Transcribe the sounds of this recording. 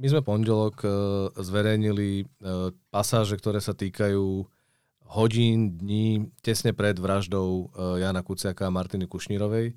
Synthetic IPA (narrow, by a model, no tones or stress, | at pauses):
mizmɛpɔnɟɛlɔkzʋɛɾɛjɲili | pasaːʒɛkt̪ɔɾɛːsat̪iːkajuː | ɦɔɟiːnd̪ɲiːcɛsɲɛpɾɛd̪ʋɾaʒd̪ɔʊjaːnakut͡sɪakaːmaɾt̪inikuʃɲiɾɔʋɛj